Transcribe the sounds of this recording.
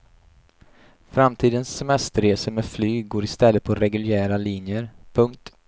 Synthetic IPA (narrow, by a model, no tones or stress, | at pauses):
fɾamt̪ʰiːd̪ənsːɛmɛst̪əɾeːsəmeːd̪flyːɡoːɾɪst̪ɛlːət̪̚pʰɔɾɛɡɵljæːɾaliːnjəɾpʰɵŋkt̪